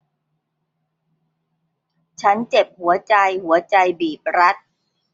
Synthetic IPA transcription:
t͡ɕʰa˦˥nt͡ɕe˨˩p̚hu˩˦ɐt͡ɕa˧jhu˩˦ɐt͡ɕa˧jbiː˨˩p̚ɾa˦˥t̪̚

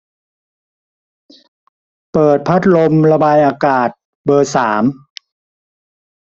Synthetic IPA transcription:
pɤː˨˩t̪̚pʰa˦˥t̪̚lo˧mla˧baː˧jʔaː˧kaː˨˩t̪̚ | bɤː˧saː˩˦m

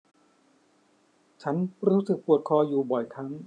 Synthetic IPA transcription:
t͡ɕʰa˦˥nɾuː˦˥sɯ˨˩k̚pu˨˩ət̪̚kʰɔː˧juː˨˩bɔ˨˩jkʰa˦˥ŋ

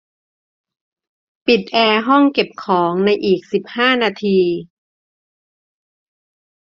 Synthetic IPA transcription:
pi˨˩t̪̚ʔɛː˧ɦɔ˥˩ŋke˨˩p̚kʰɔː˩˦ŋna˧jʔiː˨˩k̚si˨˩p̚haː˥˩naː˧t̪ʰiː˧

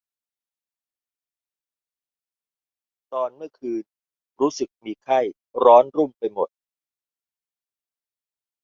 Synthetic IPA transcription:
t̪ɔː˧nmɯ˥˩ɐkʰɯː˧n | ɾuː˦˥sɯ˨˩k̚miː˧kʰa˥˩j | ɾɔː˦˥nɾu˥˩mpa˧jmo˨˩t̪̚

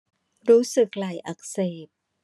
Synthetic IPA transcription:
ɾuː˦˥sɯ˨˩k̚la˨˩jʔa˨˩k̚seː˨˩p̚

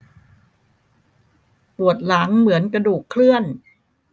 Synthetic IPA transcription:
pu˨˩ət̪̚la˩˦ŋmɯ˩˦ənkɾa˧duː˨˩kʰːlɯ˥˩ən

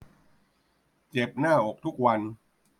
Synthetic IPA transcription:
t͡ɕe˨˩p̚naː˥˩ʔo˨˩k̚t̪ʰu˦˥k̚wa˧n

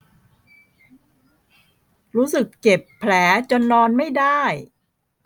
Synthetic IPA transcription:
ɾuː˦˥sɯ˨˩kːt͡ɕe˨˩pʰːlɛː˩˦t͡ɕo˧nːɔː˧nma˥˩jda˥˩j

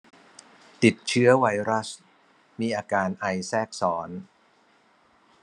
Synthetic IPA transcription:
t̪i˨˩t̪̚t͡ɕʰɯ˦˥ɐwa˧jɾa˦˥s | miː˧ʔaː˧kaː˧nʔa˧jsɛː˥˩k̚sɔː˩˦n

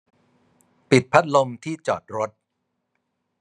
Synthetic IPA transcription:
pi˨˩t̪̚pʰa˦˥t̪̚lo˧mt̪ʰiː˥˩t͡ɕɔ̰ː˨˩t̪̚ɾo˦˥t̪̚

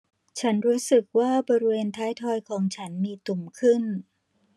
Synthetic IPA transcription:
t͡ɕʰa˦˥nɾuː˦˥sɯ˨˩k̚waː˥˩bɔː˧ɾi˦˥weː˧nt̪ʰaː˦˥jt̪ʰɔː˧jkʰɔː˩˦ŋt͡ɕʰa˦˥nmiː˧t̪u˨˩mkʰɯ˥˩n

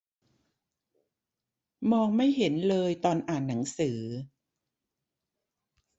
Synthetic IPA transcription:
mɔː˧ŋma˥˩jɦe˩˦nlɤː˧jt̪ɔː˧nʔaː˨˩nːa˩˦ŋsɯː˩˦

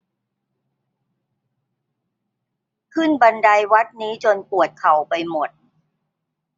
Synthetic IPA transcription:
kʰɯ˥˩nba˧nda˧jwa˦˥t̪̚niː˦˥t͡ɕo˧npu˨˩ət̪̚kʰa˨˩wpa˧jmo˨˩t̪̚

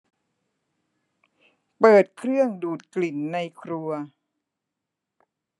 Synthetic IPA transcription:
pɤː˨˩t̪̚kʰɾɯ˥˩əŋduː˨˩t̪̚kli˨˩nːa˧jkʰɾu˧ɐ

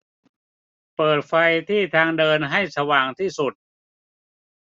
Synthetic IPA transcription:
pɤː˨˩t̪̚fa˧jt̪ʰiː˥˩t̪ʰaː˧ŋdɤː˧nɦa˥˩jsa˧waː˨˩ŋt̪ʰiː˥˩su˨˩t̪̚

